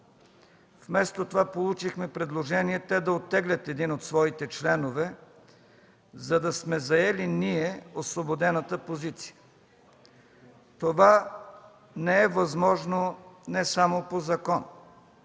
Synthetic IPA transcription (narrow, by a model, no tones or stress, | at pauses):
fmɛst̪ot̪ovapolˠut͡ʃixmɛpɾɛd̪lˠoʒɛniɛt̪ɛd̪ɐot̪ːɛɡlʲət̪ɛd̪inot̪svɔit̪ɛt͡ʃlɛnovɛ | zɐd̪ɐsmɛzɐɛliniɛosvobod̪ɛnət̪əpozit̪si̥jə̥ | t̪ova | nɛɛvɐzmɔʒnonɛsamopozɐkɔn